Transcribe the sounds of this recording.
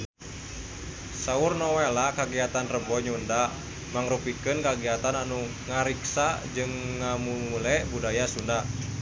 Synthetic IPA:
saurnɔwɛlakaɡiat̪anrəbɔɲunda | maŋɾupikɨnkaɡiat̪ananu | ŋaɾiksad͡ʒɨŋːamuulɛbudajasunda

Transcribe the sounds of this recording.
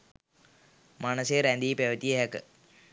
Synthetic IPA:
manəseɾænd̪iːpeʋət̪ieɦɛkə

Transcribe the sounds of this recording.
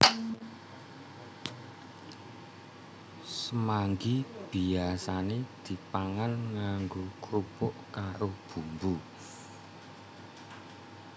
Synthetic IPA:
səmaŋɡib̥iasaned̪̥i̤paŋanŋaŋɡokɾupʊʔkaɾob̥ṳmbu

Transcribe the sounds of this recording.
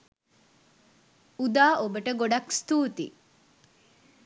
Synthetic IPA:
ud̪aːʔobəʈəɡoɖɐkst̪uːt̪ḭ

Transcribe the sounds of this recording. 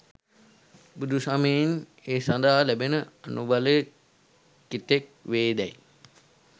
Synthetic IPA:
bud̪ʱusameineːsand̪aɦalæbenəanuʋalə | kit̪ek̚ʋeːd̪ɛj

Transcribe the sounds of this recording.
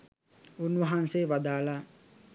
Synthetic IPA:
unʋɐɦanseʋad̪aːla

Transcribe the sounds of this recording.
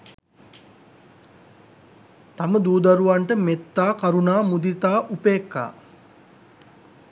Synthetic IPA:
t̪aməd̪uːd̪aɾuʋaɳʈəmet̪ːaːkaɾunaːmud̪it̪aːʔupeːkːa̰ː

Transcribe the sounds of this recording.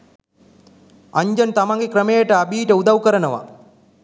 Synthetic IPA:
ɐɲd͡ʑɐnt̪ɐmɐŋɡikɾɐmeːjɐʈɐɐbʱiːʈɐud̪ɐʋkɐɾɐnɐʋɐ̰

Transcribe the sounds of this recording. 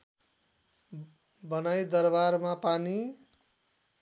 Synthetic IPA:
bʌnajd̪ʌrbarmapani

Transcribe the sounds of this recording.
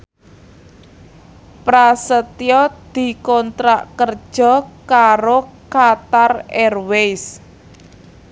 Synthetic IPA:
pɾasət̪jɔd̪̥i̤kɔnt̪ɾaʔkər̥ʒ̥ɔ̤kaɾokat̪arɛrwejs

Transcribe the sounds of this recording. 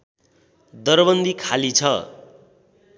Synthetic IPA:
d̪ʌrbʌnd̪ikʰalit͡sʰʌ

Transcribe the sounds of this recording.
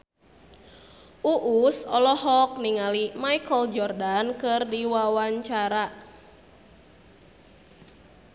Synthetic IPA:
uʔusɔlɔɦɔk̚niŋalimaikəld͡ʒɔrdankɨrdiwawaɲt͡ʃaɾaʔ

